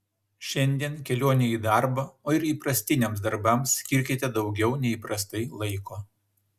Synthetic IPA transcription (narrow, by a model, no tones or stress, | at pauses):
ʃʲɛnʲd̪ʲiɛnkʲɛlʲoːnʲɛiːd̪ɑˑɾbɐoːɪɾiːpɾɐsʲt̪ʲɪnʲɛms̬d̪ɐɾbɐmsːʲkʲɪɾʲkʲɪt̪ʲɛd̪ɒʊɡʲɛʊnʲɛiːˑpɾɐst̪ɐɪlˠɐɪkoː